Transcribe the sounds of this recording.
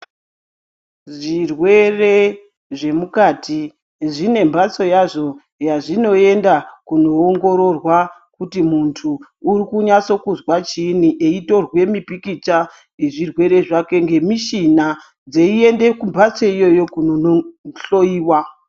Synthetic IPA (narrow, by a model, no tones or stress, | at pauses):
ʐirwe̞re̞ | ʐe̞mukatʰi | ʐine̞mbat͡so̞jaʐo̞ | jaʐino̞e̞ndakuno̞ːŋɡo̞ɾo̞rwa | kutimuntʰu | urikuɲat͡so̞kuzwat͡ʃiniʔeito̞rwe̞mipikit͡ʃa | jeʐirwe̞ɾe̞ʐake̞ŋɡe̞miʃina | d͡zeie̞nde̞kumbʱat͡so̞ijo̞jo̞kunooɬo̞iːwa